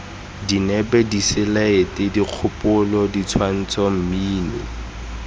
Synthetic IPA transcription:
dinɛbɛdisɪlaetediq͡χʰʊpʼʊlɔdit͡sʰwan̩t͡sɔm̩miːnɪ̰

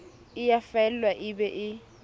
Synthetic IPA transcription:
ɪjafaɛl̩lwaʔɪbɛʔɪ

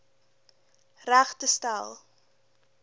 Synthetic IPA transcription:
ræχtəstæ̰lˠ

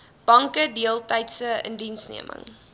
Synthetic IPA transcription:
b̥ɐŋkədiəlˠtɐjtsəə̰ndinsniəmʔə̰ŋ

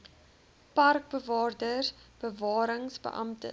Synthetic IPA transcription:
pɐrk̚bəvɑːrdərb̥əvɑːɾəŋsbə̰ʔɐ̰mtə̰

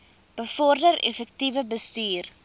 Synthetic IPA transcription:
b̥əfɔrdəɾḛfək̚tivəbəstyːr

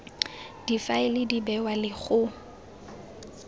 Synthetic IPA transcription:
d̥ifaɪlɪdibɛwalɪɣʊ

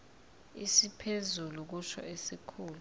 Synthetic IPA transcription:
isipʰezuluk̬uʃɔ̰ʔesikʰuːlu

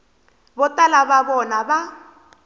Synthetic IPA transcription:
bɔtʼalaβaβɔnaba

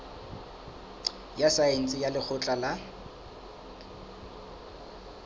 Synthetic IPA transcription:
jasaen̩t͡sʼɪjalɪk͡xʰʊt͡ɬʼala

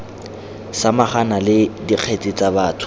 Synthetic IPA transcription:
samaχanalɪdiq͡χʰet͡sʼit͡sabaːtʰʊ̥

